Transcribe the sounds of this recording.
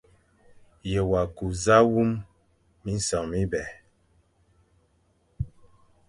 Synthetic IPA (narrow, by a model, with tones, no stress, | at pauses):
je˨wa˨ku˨za˦wu˦mː | i˦n̩˦sɔ˨ŋmi˦bɛ˨